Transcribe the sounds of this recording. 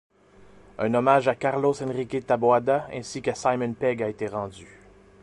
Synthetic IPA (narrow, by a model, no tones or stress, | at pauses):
œ̰̃ːnɔmaːʒakaʁlosɛ̃nʁikʲet̪abwad̪aɛ̰̃sikasajmənpɛɡaet̪eʁɑ̃d͡z̪y